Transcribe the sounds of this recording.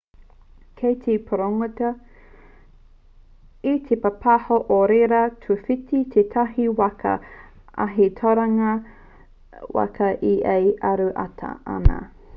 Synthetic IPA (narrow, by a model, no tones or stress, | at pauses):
kʰejtʰipʰoɾoŋotɐ | it̪ʰepɐpʰɐhoʔoɾeɾɐtʰufitit̪ʰet̪ʰɐɦiwɐkʰɐ̰ | ʔɐ̰ɦit̪ʰoɾɐŋɐ | wɐ̰kʰɐʔiʔejɐɾuʔɐ̰tʰɐ̰ɐ̰nɐ̰